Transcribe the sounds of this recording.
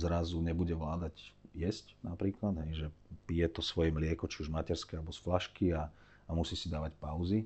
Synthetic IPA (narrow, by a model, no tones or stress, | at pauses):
zɾazuɲɛbuɟɛʋlaːd̪aɟjɛscnapɾiːklad̪ɦɛjʒɛpijɛt̪ɔsʋɔjɛmlɪɛkɔt͡ʃiuʒmacɛɾskɛalɛbɔsflaʃkia | amusiːsid̪aːʋacpaʊzi